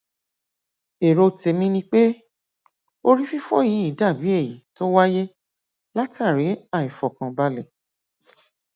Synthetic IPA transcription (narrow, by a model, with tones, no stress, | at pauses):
e˨ɾo˧te˧mĩ˧nĩ˧k͡pe˦ | o˧ɾi˦fi˦fɔ̰˦ji˨˦i˦˨˦da˦˨bi˨˦e˦˨ji˨˦to˦wa˦je˦ | la˦ta˦˨ɾi˨˦a˦˨i˨fɔ˨kã˧ba˧lɛ˨